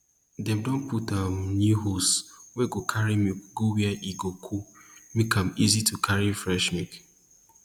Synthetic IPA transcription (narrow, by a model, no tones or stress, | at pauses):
dɛ̃mdɔ̃nputanuɦoswɛɡokʰaɹimiɡowiɛʔiɡokʰumikʰãmizitʰukʰaɹifɹɛʃmik